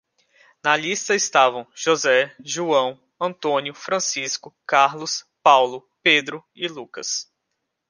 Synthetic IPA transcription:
nɐlist̪ɐɪst̪avɐ̃w̃ʒozɛʒuɐ̃w̃ | ɐ̃nt̪õnjʊfɾɐ̃siskʊkaɾlʊs | pawlʊped̪ɾʊ | ɪlukɐs

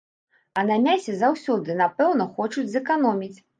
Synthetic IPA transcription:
ɐnanʲasʲɛzawsʲɔd̪ɨnapɛwnɐxɔt͡ʂud͡zʲzɛkanɔmʲit͡sʲ

